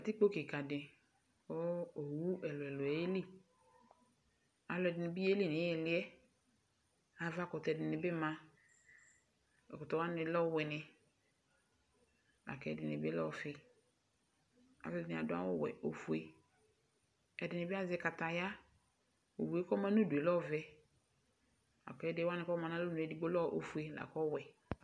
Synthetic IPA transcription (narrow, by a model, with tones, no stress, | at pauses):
a˨ti˦k͡po˦kɪ˨ka˨dɪ˨ | o˦o˨wu˦ɛ˨lʊ˨ɛ˨lʊ˨ɛ˨˦e˦li˦ | a˨lʊ˨ɛ˨dɪ˨nɪ˨bi˦e˦li˦˨nɪ˨˦ɛ˨lɪ˦ɛ˦ | a˨va˦˨kɔ˨tɛ˨dɪ˨nɪ˨bɪ˦ma˦ | ɛ˨kɔ˨tɔ˨wa˦nɪ˨˦lɔ˦wɪ˨nɪ˨ | a̰˨kɛ˨˦dɪ˨nɪ˨bɪ˦lɔ˦fɪ˨ | a̰˨vɛ˦˨dɪ˨nɪ˨a˨dʊ˦a̰˦wɔ˦˨wɛ̰˨o˦fu˦e˦ | ɛ˨dɪ˨nɪ˨bɪ˦a˦zɪ˨˦ka˨ta˨ja˦ | o̰˨bu˨e˦kɔ˦mã˦no˦du˨e˨lɔ˦˨vɛ˦ | a̰˨kɛ˨˦dɪ˦wa˦nɪ˨kɔ˦mã˨nã˦lo˦nu˨ɛ˨di˦ɡ͡bo˦lɔ˦˨ʔo̰˨fu˦e˦la̰˨kɔ˦wɛ˨